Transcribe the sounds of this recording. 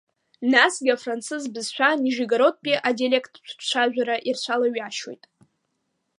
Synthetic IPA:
nasɡʲafrant͡sʰɨzbɨzʃʷʰaniʒiɡaɾo̞t̚ʼpʼiʔadialʲekʰʼtʼʰt͡ʃʷʰt͡ɕʷʰaʒᶣʷaɾaʔirt͡ɕʷʰalaɥaʃwo̞̰jtʼ

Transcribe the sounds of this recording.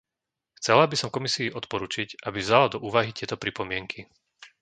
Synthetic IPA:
xt͡sɛlabisɔmkɔmisiːʔɔt̪pɔɾuːt͡ʃicʔabivzalad̪ɔʔuːʋaɦit̪ɪɛt̪ɔpɾipɔmɪɛŋkʰi

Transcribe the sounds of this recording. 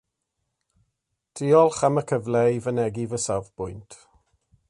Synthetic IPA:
d̥ʰiːɔlˠχaməkʰəvlɛvənɛɡivəsavpʊjntʰ

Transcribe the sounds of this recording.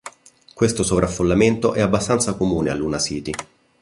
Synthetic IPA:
kwest̪osovɾʔafːolːament̪oʔɛabːast̪ant̪sakomuːnea̰lːunasiːt̪i

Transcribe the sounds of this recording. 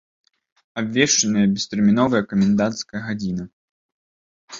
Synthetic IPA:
abʲvʲɛʂt͡ʂɐnɨjɐbʲɛst̪ɛrmʲinɔvɐjɐkɐmʲɛnd̪ant̪skɐjɐɣad͡zʲinɐ

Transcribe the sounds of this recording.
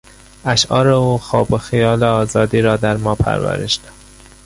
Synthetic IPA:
æʃʔɒːɾeuːxɒːboxijɒːleɒːzɒːd̪iːɾɒːd̪æɾmɒːpʰæ̰ɾvæ̰ɾḛʃd̪̥æ̥

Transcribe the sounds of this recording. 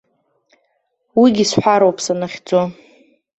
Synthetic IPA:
wiɡʲisħʷaɾowpʰsanaχʲd͡zo

